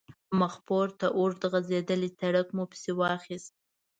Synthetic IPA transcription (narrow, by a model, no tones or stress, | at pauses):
maxpoɾt̪aʔoɾd̪əɣazed̪əlisaɽəkmupə̥sewɑxist̪̚